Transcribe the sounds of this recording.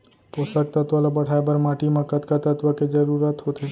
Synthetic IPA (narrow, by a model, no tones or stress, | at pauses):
poʃək̚t̪ət̪ʋəlabəɽ̤ajbəɾmaʈimãkət̪kat̪ət̪ʋəked͡ʒəɾuɾat̪ɦot̪ʰe